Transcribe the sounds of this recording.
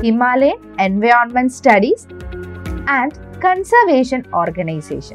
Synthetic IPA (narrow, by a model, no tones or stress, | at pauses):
himaːle | ẽnʋajɾɔnmẽɳʈsʈɐɖis | æ̃ɳɖkə̃nsəɾʋeːʃə̃nɔːɾɡɐnaɪsḛːʃə̰̃